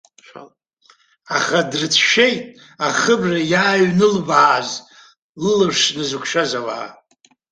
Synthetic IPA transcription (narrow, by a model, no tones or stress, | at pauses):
aχadrɨt͡sʰʃe̞jtʼ | aχəbrajaːɥnɨlbaːz | lɨlɨʂnɨzɨkʷʰʃazawa̰ː